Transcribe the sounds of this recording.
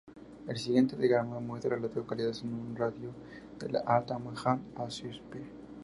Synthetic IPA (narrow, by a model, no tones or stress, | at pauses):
elsiɣjent̪eðeɣɾamamweðɾalaðeokaliðasenunraðjo | d̪̥ḛla̰ʔat̪amwexanasuspe